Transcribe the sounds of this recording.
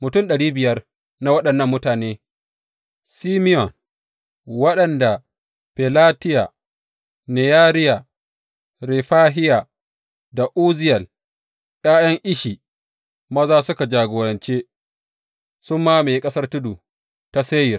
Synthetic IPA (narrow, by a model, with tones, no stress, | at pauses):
mʊ˨tʊ˦˨ɗɐ˨ɽiː˦bɪ˨jɐ˦r | na˨wɐ˦ɗɐ˨nːɐ˦mːʊ˦taː˨neː˦ | siː˦mɪ˦jɔ˨n | wɐ˦ɗɐ˨nda˨ | pɛ˨laː˦tɪ˦ja˨ | ne˨jaː˦ɾɪ˦ja˨ | ɾeː˨ɸaː˦ɦɪ˦ja˨ | da˨ʔuː˦zɪ˦jɐ˨l | j̰ʼaː˦jɐ˦ŋʔɪ˦ʃiː˨ | mɐ˦zaː˦sʊ˦ka˨d͡ʒaː˨ɡoː˨ɾɐ˨nt͡ʃeː˦ | sʊ˦mːaː˦meː˨kʼɐ˦sɐ˦rtʊ˦duː˨ | ta˦seː˦jɪ˨r